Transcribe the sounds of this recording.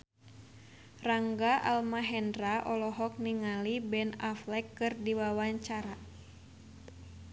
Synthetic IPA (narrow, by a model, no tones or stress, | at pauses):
raŋɡaʔa̰lmaɦɛndraʔɔlɔɦɔk̚niŋalibɛnaflɛkːɨrdiwawaɲt͡ʃaɾa